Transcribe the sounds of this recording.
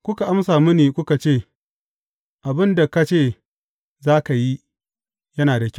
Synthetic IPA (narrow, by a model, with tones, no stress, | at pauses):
kʷʊ˦ka˨ʔa˦msaː˨mɪ˦niː˨kʷʊ˦ka˨t͡ʃeː˦˨ | ʔa˨bɪ˦nda˨ka˦t͡ʃeː˦˨ | zaː˦ka˨ji˦ | jɐ˦naː˨da˨kʲ